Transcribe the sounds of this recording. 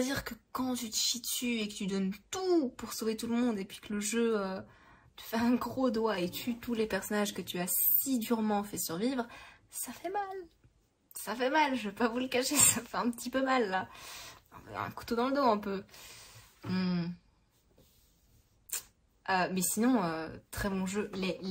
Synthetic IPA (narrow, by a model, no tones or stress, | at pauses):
d̪iʁkəkɑ̃t̪yt̪ə̥ʃit̪yekət̪yd̪ɔnt̪upuʁsovet̪uləmɔ̃d̪epɥikələʒøø | t̪y̥fɛɛ̃ɡʁod̪waet̪ʰyt̪ulepɛʁsɔnaʒkət̪yassid̪yʁmɑ̃fɛsyʁvivʁ | safɛmal | safɛmalʒəvəpavuləkaʃesafɛɛ̃pət̪ipømalːa | ɔ̰̃v̰ɛ̰̃ku̥t̪od̪ɑ̃ləd̪oɛ̃pø | m̩ | ømɛsinɔ̃øt̪χɛbɔ̃ʒøle